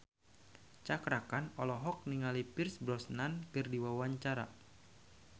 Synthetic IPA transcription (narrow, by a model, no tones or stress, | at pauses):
t͡ʃakɾakanɔlɔɦɔk̚niŋalipirsbɾɔsnankɨrdiwawaɲt͡ʃaɾa̰